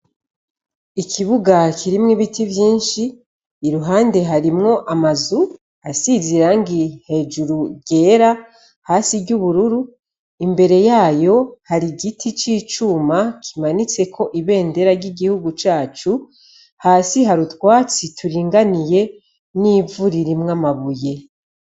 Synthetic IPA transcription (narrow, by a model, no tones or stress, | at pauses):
ikʰiβuɡakʰiɾimŋiβitivjiːnʃiː | ɾuɦaːnde̞ɦaɾimŋo̞ʔamazu | asiziɾaŋɡihe̞ːd͡ʒuɾuɡe̞ːɾa | haːsiɾɟuβuɾuɾu | imbe̞ɾe̞jaːjo̞haɾiɡitʰit͡ʃiːt͡ʃumakʰimanit͡se̞kʰo̞ʔiβe̞ːnde̞ɾaɾɟiɡihuɡut͡ʃaːt͡ʃu | haːsiɦaɾutwaːt͡sitʰuɾiːŋɡanije̞ | niːvuɾiɾimŋamaβuje̞